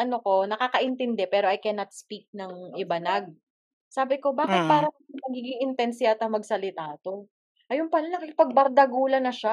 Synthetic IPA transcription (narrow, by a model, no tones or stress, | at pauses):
ʔɐno̞ko̞nɐkaːkɐʔɪnt̪ɛnd̪ɛpɛːɾoʔɐjkɛnɐt̪̚spik̚nɐŋʔɪbɐnɐɡ̚ | saːbɪko̞baːkɪt̪̚paːɾɐɐɐŋmɐɡiːɡɪŋɪnt̪ɛnsɪat̪ɐŋmɐɡsɐlɪt̪aːt̪o̞ | ʔɐjonpɐlanɐkɪkɪpɐɡ̚bɐɾd̪ɐɡuːlɐnɐʃa